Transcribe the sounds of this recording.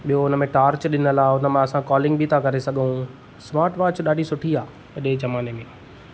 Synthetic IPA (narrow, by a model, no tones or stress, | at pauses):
ɓijɦoʊnə̆mẽʈaːɾt͡ɕɗɪnəlaːʊnə̆mẽɐsãkɔːlɪ̃ŋɡbʱit̪ʰakɐɾesɐɠʱũ | smaːɾʈʋaːt͡ɕɗaːɖʱisʊʈʰiaː | ɐɗed͡ʑɐmaːnemẽ